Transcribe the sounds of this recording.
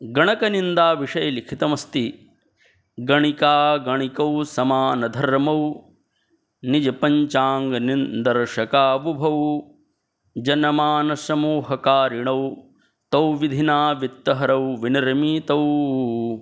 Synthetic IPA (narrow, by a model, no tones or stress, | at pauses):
ɡɐɳɐkɐnind̪aːʋiʂɐjɐlikʰit̪ɐmɐst̪i | ɡɐɳikaːɡɐɳikɐwsɐmaːnɐd̪ʱɐɾmɐw | nid͡ʒɐpɐɲt͡ʃaːŋɡɐnind̪ɐɾʂɐkaːʋubʱɐw | d͡ʒɐnɐmaːnɐsɐmuːɦɐkaːɾiɳɐw | t̪ɐwʋid̪ʱinaːʋit̪ːɐɦɐɾɐwʋinɐɾmit̪ɐw